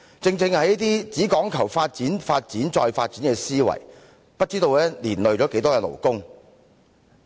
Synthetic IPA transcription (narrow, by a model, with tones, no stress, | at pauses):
t͡sɪ˧ŋt͡sɪ˧ŋhɐ˨jɐ˥t̪iː˥t͡siː˨˥kɔː˨˥ŋkʰɐ˨˩wfaː˧t̚t͡siː˨˥nfaː˧t̚t͡siː˨˥nt͡ʃɔː˧jfaː˧t̚t͡siː˨˥nkɛː˧siː˥wɐ̰˨˩j | pɐ˥t̚t͡siː˥t̪o˧wlɛː˥liː˨˩nlɵ˨˧ɥt͡ʃɔː˨˥ke˨˥jt̪ɔː˥kɛː˧lo̰˨˩wkʊ˥ŋ